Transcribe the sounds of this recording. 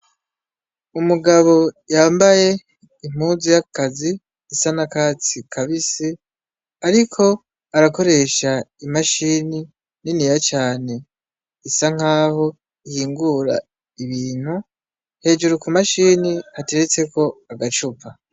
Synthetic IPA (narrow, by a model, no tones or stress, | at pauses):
umuɡaβo̞jaːmbaje̞ | im̥uzijakaziː | sanakaːt͡sikʰaβisi | aɾikʰo̞ | aɾako̞ɾe̞ʃaimaʃiːni | ninijat͡ʃaːne̞ | isaŋ̥aːho̞ | ihiːŋɡuɾa̰ | iβiːn̥hu | he̞ːd͡ʒuɾukumaʃiːniate̞ɾet͡se̞ko̞aɡat͡ʃupa